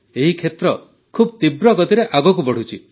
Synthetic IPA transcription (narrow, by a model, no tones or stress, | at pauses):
eɦikʰet̪ɾɔ | kʰubt̪ibɾɔɡɔt̪iɾeʔaɡɔkubɔɽ̤ut͡ʃʰi